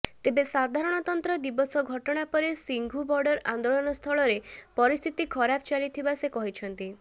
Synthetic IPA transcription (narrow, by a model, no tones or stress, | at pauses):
t̪ebesad̪ʱaɾɔɽ̃ɔt̪ɔnt̪ɾɔd̪ibɔsɔɡʱɔʈɔɽ̃apɔɾesiŋɡʱubɔɾɖɔɾand̪oɭɔnɔst̪ʰɔɭɔɾepɔɾist̪ʰit̪ikʰɔɾapʰɔt͡ʃalit̪ʰibasekɔɦit͡ʃʰɔnt̪i